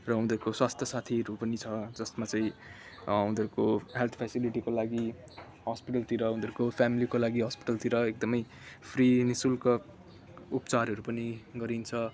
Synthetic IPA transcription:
rʌɦund̪ʱʌɾukoswast̪ʰjʌsat̪ʰiɾupʌnit͡sʰʌd͡zʌsmat͡saĩ | und̪ʱʌɾukoɦelt̪ʰpʰesiliʈikolaɡi | ɦʌspiʈʌlt̪iɾʌɦund̪ʱʌɾukopʰjamilikolaɡiɦʌspi̥ʈʌlt̪iɾʌek̚d̪ʌmʌj | pʰrinisulkʌ | upt͡saɾɦʌɾupʌniɡʌɾint͡sʰʌ

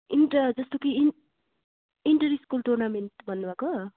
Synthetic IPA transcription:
inʈʌd͡zʌst̪oki | iɳʈʌɾiskulʈurnameɳʈbʱʌnːubʱako

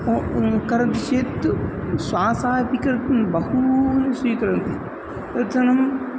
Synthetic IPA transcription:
kɐɾɐnt̪iʃeːt̪swaːsaːjpikɐɾt̪nbɐhuneswiːkɐɾɐnt̪i | ɐt̪ɐnɐm

